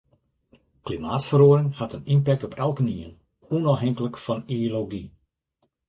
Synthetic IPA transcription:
klimaːtfəroəɾɪŋhatənimpɛk̚tɔpʰɛlˠkəniən | unɔfɦɛŋkələkfɔnioloɡi

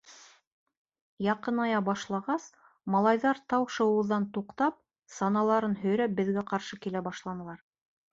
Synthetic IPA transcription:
jɑqɤnɑjɑbɑʃlˠɑʁɑs | mɑlˠɑjðɑɾt̪ɑwʃɤ̆wɤ̆ðːɑnt̪uqt̪ɑp̚ | sɑnɑlˠɑɾɤnɦɵ̆jɾæp̚bɘ̆ðɡæqɑɾʃɤkilæbɑʃlˠɑnɤ̆lˠɑɾ

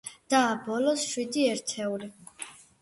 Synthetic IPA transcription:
d̪̥aːbɔlɔsʃwid̪iɛɾt̪ʰɛuli

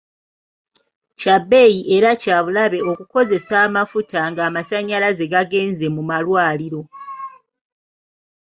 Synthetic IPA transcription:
cabːe̞ːjiʔe̞ɾacaːβulaβe̞o̞kuko̞ze̞saːmafutaŋɡaːmasaɲːalaze̞ɡaɡe̞ːnze̞mumalwaːliɾo̞

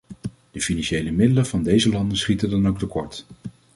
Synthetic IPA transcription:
d̥əfinɑnʃejləmɪdələv̥ɑndejzəlɑndənsχitədɑnowk̚təkɔɹt

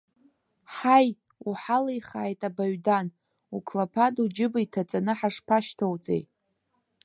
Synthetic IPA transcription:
ħaj | uħalajχa̰ːjtʼabaɥdan | ukʰlapʰadud͡ʒɪbaitʰat͡sʼanɨħaʂpʰaʃtʰowt͡sʼḛj

